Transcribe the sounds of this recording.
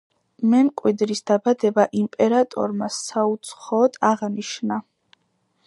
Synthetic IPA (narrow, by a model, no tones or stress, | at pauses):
mɛmkʼwid̪ɾisd̪abad̪ɛbaʔimpʼɛɾat̪ʼɔ̰ɾmasaut̪sʰχɔːd̪aʁniʃna